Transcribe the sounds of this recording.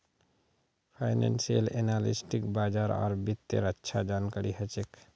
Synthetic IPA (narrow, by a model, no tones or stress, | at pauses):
pʰaɪnḛnsiəlenalisʈikbaːd͡ʒaːɾɔ̰ːɾbit̪ːḛɾətːʃʰad͡ʒankaɾiɦət͡ʃek